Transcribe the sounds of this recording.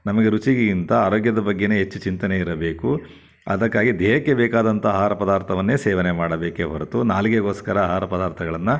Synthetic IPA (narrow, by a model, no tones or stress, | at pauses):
nɐmɐɡe̞ɾut͡ʃiɡeint̪ɐaːɾoːɡjɐd̪ɐbɐɡːeneːɦet͡ʃːut͡ʃint̪ɐneiɾɐbe̞ːku | ɐ̰d̪ɐkːaːɡid̪ɛːɦɐkːebɛːkaːd̪ɐnt̪ʰɐːɦaːɾɐpɐd̪aːɾt̪ʰɐʋɐnːeːseːʋɐnemaːɽɐbeːkeɦɐɾɐt̪unaːliɡeɡo̞ːskɐɾɐːɦaːɾɐpɐd̪aːɾt̪ʰɐɡɐɭɐnːɐ